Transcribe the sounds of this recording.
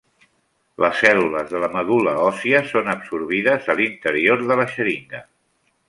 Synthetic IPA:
lʔəsːɛluləzðələməðuləɔsiəsonəpsuɾβ̞iðəzəlint̪əɾioɾðələʃəɾiŋɡə

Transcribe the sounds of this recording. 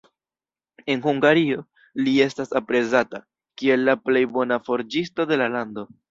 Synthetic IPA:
e̞nhuŋɡaɾio̞ | lie̞stasapɾe̞zata | kie̞lːaple̞jbo̞nafo̞ɾd͡ʒisto̞de̞lalando̞

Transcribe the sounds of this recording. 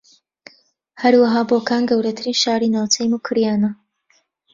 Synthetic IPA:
hɐɾwɐɦaːboːkaːnɡɐwɾɐt̪ʰɨɾiːnʃaːɾiːnaːwt͡sɛjmukʰɨɾjaːnɐ

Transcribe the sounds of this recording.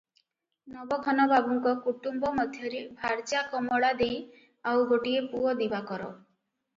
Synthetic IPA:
nɔbɔɡʰʱɔnɔbabɔŋkɔkuʈumbɔmɔd̪ʱjɔɾebʱaɾt͡ʃakɔmɔɽad̪ej | awɡoʈiepuɔd̪ibakɔɾɔ̰

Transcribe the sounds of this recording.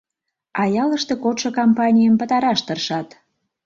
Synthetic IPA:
ɑjɑləʃt̪ekot̪ʃokompɑnʲijəmpət̪ɑɾɑʃt̪ərʃɑt̪

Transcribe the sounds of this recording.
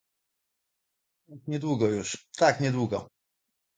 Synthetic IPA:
t̪akɲɛd̪wuɡɔjuʂt̪akɲɛd̪wuɡɔ

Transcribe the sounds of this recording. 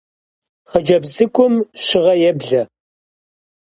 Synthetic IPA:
χɐd͡ʒɐbzɨkʷʰʼʊmʃɪʁɐjɛbɮɐ

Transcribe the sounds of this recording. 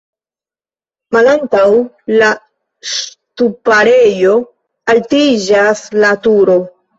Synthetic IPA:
malantaw | la | s | tupaɾe̞jo̞ | altid͡ʒaslatuɾo̞

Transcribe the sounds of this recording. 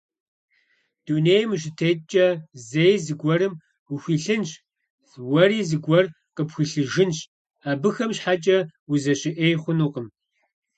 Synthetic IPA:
d̥unejmɨɕɪtʰeːtt͡ʃʼɐzejzɨɡʷɔɾɨm | ʊɕʷiːɬɨnɕʼ | zwɐɾiːzɨɡʷɔr | qəpxʷɨɬɨʒɪnɕʼ | aːbɨxɐmɕħat͡ʃʼɐwuzɐɕɪʔeːjχʷʊnuːqəm

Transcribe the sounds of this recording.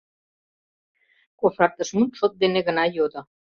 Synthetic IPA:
kofɾɑrt̪əʃmunt̪ʃot̪̚d̪eneɣə̆nɑjod̪ɤ̆

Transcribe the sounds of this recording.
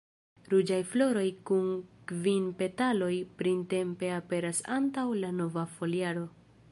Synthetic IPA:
ɾud͡ʒajflo̞ɾo̞jkunkvinpe̞talo̞jpɾinte̞mpe̞ape̞ɾasantawlano̞vafo̞liaɾo̞

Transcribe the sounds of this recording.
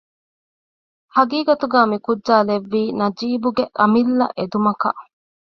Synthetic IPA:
hɐɡiːɡɐt̪uɡaːmikud͡ʒʒaːleʋːiːnɐd͡ʒiːbuɡeʔɐmilːɐ̰ʔed̪umɐkɐ̰ʔ

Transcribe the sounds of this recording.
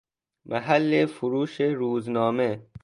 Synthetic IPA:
mʔaɦalːefʊɾuːʃeɾuːznɔːme

